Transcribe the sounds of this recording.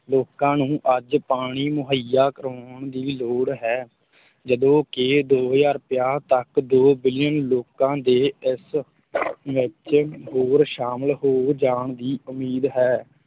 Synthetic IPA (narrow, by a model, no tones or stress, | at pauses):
loːkãːnũːʔəd͡ʒpaːɽ̃iːmʊɦəjaːkəɾaːɳd̪iːloːɽɦɛː | d͡ʒəd̪õːkɪd̪oːɦd͡ʒaːɾpɪjaːt̪əkd̪oːbɪlɪjənloːkãːd̪eːɪs | ʋɪt͡ʃɦoːɾʃaːməlɦoːd͡ʒaːɳd̪iːʊmiːd̪ɦɛː